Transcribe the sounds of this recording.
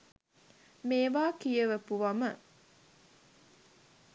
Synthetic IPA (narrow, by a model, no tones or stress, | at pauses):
meːʋaːkijəʋəpuʋamə